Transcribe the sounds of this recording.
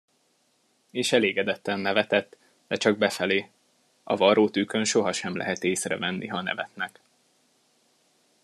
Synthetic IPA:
eːʃɛleːɡɛd̪ɛt̪ːɛnːɛvɛt̪ɛt̪ː | d̪̥ɛt͡ʃɒɡ̚bɛfɛleː | ɒ̰vɒɾoːt̪ykø̞nʃo̞ɦɒʃɛmlʔɛ̰ɦɛt̪eːsrɛ̰vɛnːʔiɦɒnɛ̰vɛt̪nɛk

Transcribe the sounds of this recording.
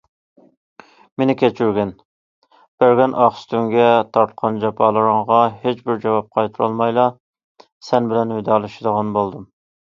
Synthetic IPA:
menɪkʲɛt͡ʃʰyɾɡʲɛn | b̥æɾɡʲɛnʔɑχst̪yŋɡʲɛt̪ʰɑɾt̪qʰɑnd͡ʒɑpʰɑːlˠɨɾəŋʁɑɦet͡ʃbɪɾd͡ʒɑwɑp̚qʰɑjt̪ʰuɾɑ̰lˠmɑjlˠɑ | sɛnbɪlɛnwɪd̪ɑːlˠɨʃɪd̪əʁɑnbolˠd̪um

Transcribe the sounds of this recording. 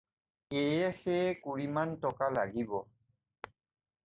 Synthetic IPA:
ejɛxɛkuɹimantɔkala̰ɡibɔ

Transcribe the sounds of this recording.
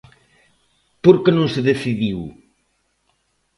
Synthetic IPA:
poɾkenõŋseðeθiðiw

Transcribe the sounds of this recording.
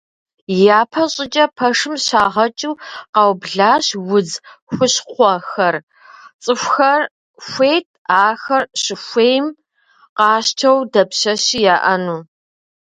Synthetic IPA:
jaːpʰɐɕʼɪt͡ʃʼɐpʰɐʂɨmɕaːʁɐt͡ʃʼuːqɑwbɮaːɕwʊd͡zxʷʊɕqʷɔxɐr | t͡sʼɨxʷxɐr | xʷejtʰʼaːxɐrɕɪxʷeːjm | qɑːɕtʰɐwdɐpɕɐɕijaːʔɐnuː

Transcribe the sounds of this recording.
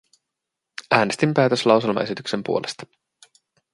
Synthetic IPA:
æːne̞st̪impæːt̪øslɑwse̞lmɑ̰e̞sit̪ykse̞mpṵo̞lʔe̞st̪ɑ̥

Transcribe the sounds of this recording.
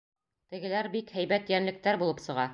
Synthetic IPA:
t̪ɘ̆ɡɘ̆læɾbikhæjbæt̪jænlɘ̆k̚t̪æɾbulˠɤpsɤ̆ʁɑ

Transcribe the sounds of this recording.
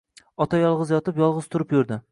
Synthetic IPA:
ɒt̪ʰajɒlˠʁɨzjɒt̪ɪpjɒlˠʁɨz̥t̪ʰʊɾɪpjʊɾd̪ɪ

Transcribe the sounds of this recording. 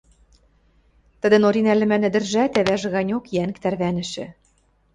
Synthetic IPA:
t̪ə̆d̪ɘ̆noɾinælɘ̆mænɘ̆d̪ɘ̆rʒæt̪æβæʒɘ̆ɣɑnʲokjæŋkt̪ærβænɘ̆ʃɘ̆

